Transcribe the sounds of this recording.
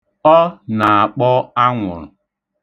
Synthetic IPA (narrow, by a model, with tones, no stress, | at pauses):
ɔ˦na˨a˨k͡pɔ˦a˦ŋʷʊ̰˨ɾʊ̰˨